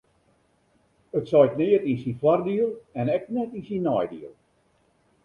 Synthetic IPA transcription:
ətsɔjknɪərtinsinflardiəlˠɛnɛk̚nɛtinsinːɔjdḭəlˠ

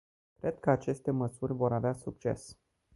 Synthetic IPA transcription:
kɾe̞d̪̚kəat͡ʃe̞st̪e̞məsurʲvo̞ɾaveasuk̚t͡ʃe̞̰s

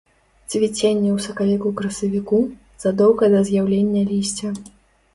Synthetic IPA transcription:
t͡sʲvʲit͡sʲenʲːɛwsɐkalʲikukɾɐsɐvʲiku | z̥ad̪ɔwkɐd̪ɐzʲjawlʲenʲːɐlʲisʲt͡sʲɐ

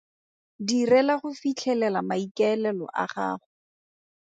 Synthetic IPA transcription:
dirɛlaχʊfit͡ɬʰɛlɛlamaikɛɛlɛlɔ̰ʔa̰χa̰ːχʊ

